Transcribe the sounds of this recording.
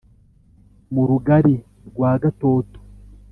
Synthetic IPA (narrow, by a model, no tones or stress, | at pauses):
muɾuɡaɾi | ɡwaːɡato̞ːto̥